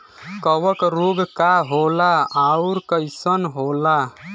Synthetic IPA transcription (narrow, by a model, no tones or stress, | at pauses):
kəwəkɾoɡkaɦolaauɾkəjsənɦola